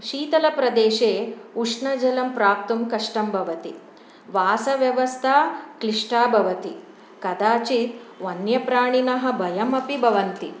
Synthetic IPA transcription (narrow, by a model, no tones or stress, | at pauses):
ʃiːt̪ɐlɐpɾɐd̪eːʂeːuʂɳɐd͡ʒɐlɐmpɾaːp̚t̪umkɐʂʈɐmbʱɐʋɐt̪i | ʋaːsɐʋjɐʋɐst̪ʰakɾiʂʈaːbʱɐʋɐt̪i | kɐd̪aːt͡ʃit̪ʋɐnjɐpɾaːɳinɐɦɐ̆bʱɐjɐmɐpibʱɐʋɐnt̪i